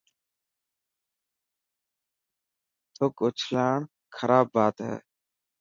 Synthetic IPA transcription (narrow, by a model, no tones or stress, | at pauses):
t̪ʰokʊt͡ʃʰlaːɳ | kʰɐɾaːbːaːt̪ɦɛ̰ː